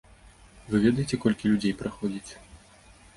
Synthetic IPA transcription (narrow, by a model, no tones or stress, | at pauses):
vɨvʲɛd̪ɐjet͡sʲɛkɔlʲkʲilʲud͡zʲejpɾaxɔd͡zʲit͡sʲ